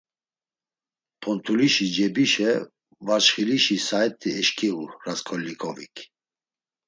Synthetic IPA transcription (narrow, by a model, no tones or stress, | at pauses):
pʰɔnt̪ʰuliʃid͡ʒɛbiʃɛ | vat͡ʃχiliʃisaɛt̪ʼiɛʃkʰʼiuɾaskʰɔlːikʼɔvḭkʰ